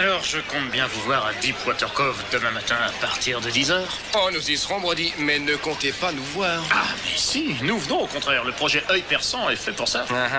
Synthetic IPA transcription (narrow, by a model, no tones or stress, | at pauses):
alɔʁʒəkɔ̃t̪̚bjɛ̃vuvwaʁad̪ipwat̪ɛʁkɔvd̪əmɛ̃mat̪ɛ̃apaʁt̪iʁd̪əd̪izœːʁ | ɔ̃nuzisʁɔ̃bʁəd̪imɛnəkɔ̃t̪epanuvwaːʁamɛsinuvənɔ̃okɔ̃t̪χɛːʁləpχɔʒɛʔœjpɛʁsɑ̃ɛfɛpuʁsa